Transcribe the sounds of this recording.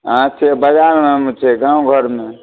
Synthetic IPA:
ãt͡ʃʰebəd͡ʒaɾmemẽt͡ʃʰɛɡãwɡʱəɾme

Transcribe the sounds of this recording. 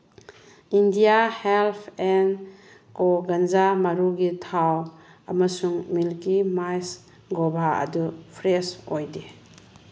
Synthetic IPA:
indijahelpʰen | koɡanzamaɾuɡitʰaw | ɐmɐsuŋmilkimajs | ɡobʱaɐ̰dupʰɾesojde

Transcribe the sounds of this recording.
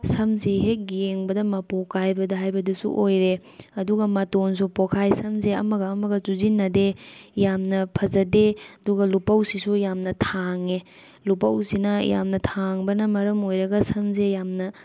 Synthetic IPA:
sɐmsiɦek̚jeŋbɐdɐmɐpokajbɐdɐɦajbɐdɐsṵʔojɾe | ɐduɡɐmɐtons̬upokʰajsɐmseɐmɐɡɐːmɐɡɐt͡ʃuzinːɐdejamnɐpʰɐzɐdeɐduɡɐlupɐwsisujamnɐtʰaŋe | lupɐwsinɐja̰mnɐtʰaŋbɐnɐmɐɾɐmojɾɐɡɐsɐmsejamnɐ

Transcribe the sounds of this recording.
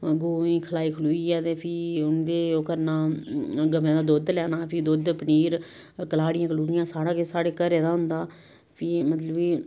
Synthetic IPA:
ɡoːĩːkʰəlaːiːkʰəluːiːɛːt̪eːpʰiːʊnʋeːoːkəɾnaːɡəmẽːd̪aːd̪oːd̪lɛːnaːpʰɪːd̪oːd̪pəniːɾ | kəlaːɽɪjãːkəluːɽɪjãːsaːɽaːkesaːɽeːkəɾeːd̪aːɦʊnd̪aː | pʰimət̪ləbiː

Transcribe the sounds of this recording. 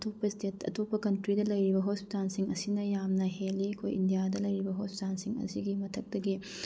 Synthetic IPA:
tʰopːɐstetɐ̰tʰopːɐkɐntɾidɐlɐjɾibɐɦospi̥tansiŋɐsinɐjamnɐɦelːikʰo̰jḭndijadɐlɐjɾibɐɦospi̥tansiŋɐ̰siɡimɐtʰɐk̚tɐɡi

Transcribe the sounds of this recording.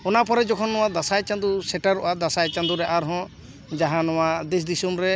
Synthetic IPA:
ɔnapɔɾɛd͡ʒɔkʰɔnːɔ̃w̃ad̪asajt͡ʃand̪usɛʈaɾuʔad̪asajt͡ʃand̪uɾɛʔaɾɦɔ̃ | d͡ʒaɦãnɔwad̪is̬d̪isumɾɛ

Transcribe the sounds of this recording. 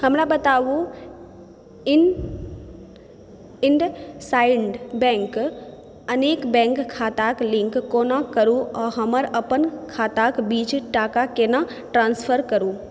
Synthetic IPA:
həmlabɐt̪aːʋu | ɪɳɖsaːɪɳɖbɛ̃ːŋk | ɐneːkbɛ̃ːŋkkʰːaːt̪aklɪ̃ŋkːoːnãkɐɾuɔːɦɐməɾɐpənkʰaːt̪akbiːd͡ʒʈaːkakenã | ʈɾãːnspʰəɾkəɾuː

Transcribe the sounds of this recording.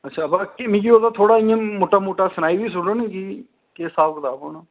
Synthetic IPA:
ətːʃʰaːbaːkemĩːɡiːoːd̪aːt̪ʰoːɽaːɪ̃ːãːmoːʈaːmoːʈaːsənaːiːbiːs̬ʊɖoːnĩːkiː | keːsaːbkət̪aːboːno

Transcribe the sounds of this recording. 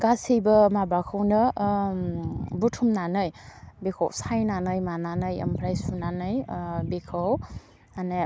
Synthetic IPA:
ɡ̥asijbɐmabakʰawnɯ | butʰumnanɯjbekʰa̰wsajnanɯjmananɯjɐ̰mpʰɾajsunanɯjbekʰaw | ane

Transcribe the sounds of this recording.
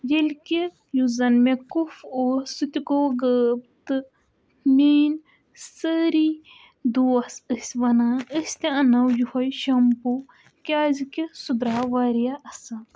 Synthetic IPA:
jelki | juzɐnmẽkufoːɾsɨt̪ʲikoɡəb̚t̪ɨ | meːn | səɾi | d̪uɐsɨsʲʋɐnaəsʲt̪eɐnɐwjuhɔjʃɐmpu | kʲaːzikisud̪ɾaːʋaːɾijaɐsa

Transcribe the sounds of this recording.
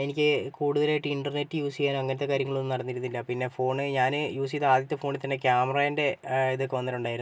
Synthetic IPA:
enikʲːɨkuːɽuðɐlaːjiʈːɨiɳɖɐrne̞tːɨjuːsijaːnoɐŋːɐnɐt̪ːe̞kaːɾjɐŋːɐɭonːɨnɐɽɐnːiɾunːilːɐpinːe̞fo̞ːɳɨɲaːnɨjuːsiɐðaːd̪jɐt̪ːɨfo̞ːɳilt̪ɐnːe̞kjaːmɐraːjinde̞iðokːeʋɐnːɐʈːuɳɖaːjiɾu

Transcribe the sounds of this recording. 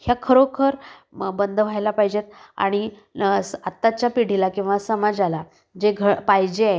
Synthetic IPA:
hjakʰəɾokʰəɾbənd̪ʱəʋ̤ʱajlapaɦd͡ʑet̪̚a̰ɽ̃i | sat̪ːat͡ɕjapiɽ̤ilakĩw̃ʋasəmad͡zala | d͡ʑeɡʱəpaɦjd͡ʑeaj

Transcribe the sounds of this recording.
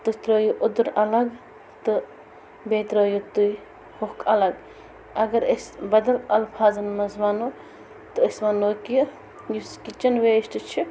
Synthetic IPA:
t̪ɨst̪ɾoːjuʔud̪uɾɐlɐɡ | t̪ɨ | beːt̪ɾoːjut̪uj | hokɐlɐɡ | ɐɡɐɾesbɐd̪ɐlɐlpʰaːzɐnmɐzmaːnu | t̪ɨɐsmɐnoːkij | juskit͡ʃɐnʋesʈɨt͡ʃʰi

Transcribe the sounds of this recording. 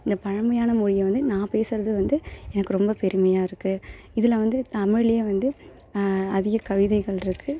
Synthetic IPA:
ɪnd̪ɐpɐɻɐmɐjaːnɐmʊɻɪjɐʋɐnd̪ɯnãːpeːsɪɾɐðɯʋɐnd̪ɯɛnɐkːɯɾɔmbɐpɛɾɯmɐjaːɪɾɯkːɯ | ɪðɪlɐʋɐnd̪ɯt̪ɐmɪɭeːʋɐnd̪ɯ | ɐðɪɣɐkɐʋɪðɐɪɣɐɭɪɾɯkʰːɯ

